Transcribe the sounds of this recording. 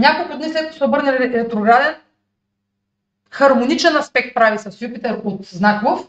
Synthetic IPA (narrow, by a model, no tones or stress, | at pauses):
nʲakolˠkʊd̪nislɛt̪̚ko̥sɛobɤɾnəliɛɾɛt̪ɾoɡɾad̪ɛn | xɐɾmonit͡ʃɛnɐspɛk̚t̪̚pɾavisɐsjupit̪ɛɾot̪znakvof